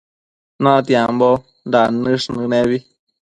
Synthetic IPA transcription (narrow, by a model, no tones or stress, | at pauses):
nãt̪jambo | nd̪anɨʂnɨneβi